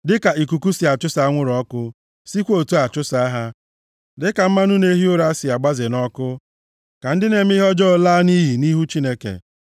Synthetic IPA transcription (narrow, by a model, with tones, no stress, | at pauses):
dɪ˦ka˨ʔi˨ku˨ku˦si˨a˨t͡ʃʊ˦sa˨a˦ŋʷʊ˦ɾɔ˦kʊ˦ | si˦kʷo˨tu˦a˨t͡ʃʊ˦sa˨˦a˦ɦa˦ | dɪ˦ka˨m̩˦ma˦nʊ˦ne˦ɦi˦ʊ˦ɾa˦sɪ˨a˨ɡ͡ba˦zɪ˨nɔ˦kʊ˦ | ka˨n̩˦dɪ˦ne˨m̩˦i˦ɦɔ˦d͡ʒɔ˦˨laː˦ni˦ɦi˨ni˦ɦu˦t͡ʃi˦ne˦kḛ˨